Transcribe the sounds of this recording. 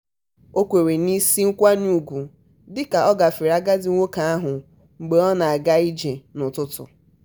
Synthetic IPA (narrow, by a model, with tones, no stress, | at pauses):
o˦kʷe˨ɾe˨ni˦si˦ŋ̩˦kʷa˦nu˦˨ɡʷu˨ | dɪ˦ka˨ɔ˦ɡa˨fɪ˨ɾa˦ɡa˦dɪ˨˦o˦ka˨a˦ɦʊ˨ | ŋ͡m̩˨ɡ͡be˨ɔ˦na˨a˨ɡa˦i˦d͡ʒe˨nʊ˨tʊ˦tʊ̰˨